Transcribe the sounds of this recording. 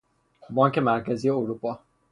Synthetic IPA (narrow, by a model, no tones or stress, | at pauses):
bɒːŋcʰe̞mæɾcʰæzije̞uɾupʰɒː